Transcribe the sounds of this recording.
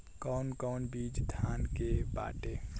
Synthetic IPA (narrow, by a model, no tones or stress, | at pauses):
kɔnkɔːnbiːd͡ʒt̪ʰaːnkeba̰ːʈe